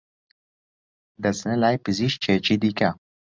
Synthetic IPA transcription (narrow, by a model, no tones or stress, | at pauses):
d̪ɐsnɐlaːjpiziʃt͡ʃʰet͡ʃid̪ika